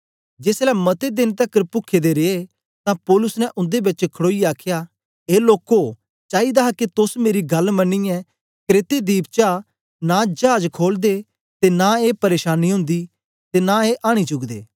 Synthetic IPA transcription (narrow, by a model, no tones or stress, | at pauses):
d͡ʒeːslɛmɐt̪ed̪ɪnt̪ɐkːəɾpʊkʰed̪eɾee | t̪ãpɔːlʊsnɛ̃ʔʊ̃nd̪ebɪt͡ʃkʰəɽoːiaːkʰja | eːloːko | t͡ʃaːid̪aːɦket̪ʊsmeːɾiɡɐlmɐnːijɛ | kɾeːt̪ed̪iːpt͡ʃa | nãd͡ʒaːd͡ʒkʰoːld̪e | t̪enaeːpɐɾeːʃaːnːiɦʊ̃nd̪i | t̪enãeʔaːɽ̃it͡ʃʊɡd̪ḛː